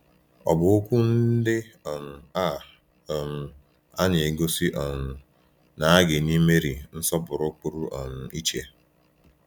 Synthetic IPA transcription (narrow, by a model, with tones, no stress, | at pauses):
ɔ̰˨bʊ˨o˦kʷu˦n̩˦dɪ˦ɔ˨m̩˨a˦˨ | ɔ˨m̩˨ | a˦ɲe˨e˨ɡo˦si˦ʔɔ˨n̩˨ | na˨a˦ɡɪ˨ni˦me˦ɾi˨n̩˦sɔ˦bʊ˨ɾʊ˦k͡pu˦ɾu˦ʔɔ˨n̩˨i˦t͡ʃe˦